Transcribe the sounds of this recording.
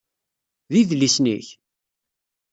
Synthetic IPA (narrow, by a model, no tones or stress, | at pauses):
ðiðlisnḭç